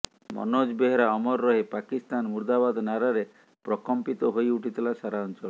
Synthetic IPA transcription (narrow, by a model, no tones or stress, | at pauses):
mɔ̰nod͡ʒbeɦeɾaɔmɔɾːɔɦepakist̪anmuɾd̪abad̪naɾaɾe | pɾɔkɔmpit̪ɔɦojuʈit̪ilasaɾaɔnt͡ʃɔl